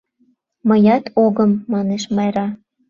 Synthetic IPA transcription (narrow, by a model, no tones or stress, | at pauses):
məjɑt̪ʰoɣəmːɑneʃmɑjɾɑ